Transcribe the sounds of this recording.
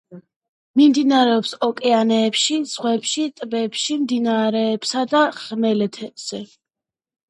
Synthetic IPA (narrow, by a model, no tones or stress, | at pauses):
mimd̪inaɾɛɔpsɔkʼɛanɛːpʃiz̥ʁwɛpʃit̪ʼbɛpʃimd̪inaɾɛːpsad̪aʁmɛlɛt̪ʰɛbz̥ɛ